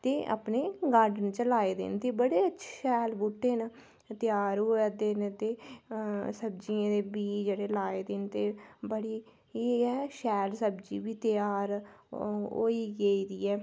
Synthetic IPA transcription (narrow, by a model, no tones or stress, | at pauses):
t̪eːʔa̰pneːɡaːɾɖənt͡ʃəlaːeːd̪ḛnt̪eːbəɽeːətːʃʰʃɛːlbuʈːeːn | t̪ɪjaːɾɦoːaːd̪ɪnt̪eː | səbd͡ʒiãːd̪eːbiːd͡ʒeːɽeːlaːeːd̪ɪnt̪eːbəɽiː | iɛːʃɛːlsəbd͡ʒḭːbiːt̪ɪjaːɾ | ɦo̰ːiːɡeiːd̪ḭːɛː